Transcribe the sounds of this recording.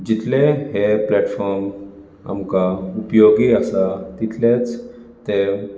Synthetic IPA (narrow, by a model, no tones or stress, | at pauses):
d͡ʒit̪leɦepleːʈfʰɔːɾm | ɐ̰mkaupjoːɡiɐsat̪it̪let͡s | t̪e